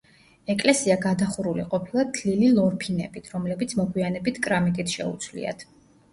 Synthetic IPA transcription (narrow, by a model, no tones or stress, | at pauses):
ɛkʼlɛsiaɡad̪aχuɾulḭqʼɔpʰilˠat̪ʰlililˠɔɾpʰinɛ̰bit̪ʰɾɔmlɛbit̪sʰmɔɡwianɛbit̪ʰkʼɾamikʼit̪ʰʃɛ̰ṵt̪sʰwlḭa̰t̪ʰ